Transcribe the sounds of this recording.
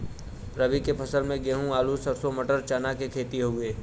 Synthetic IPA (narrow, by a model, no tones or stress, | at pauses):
ɾɐbikepʰɐsəlmẽɡeɦũaːlusəɾsomɐʈəɾt͡ʃaːnakekʰeːt̪iɦoɡueː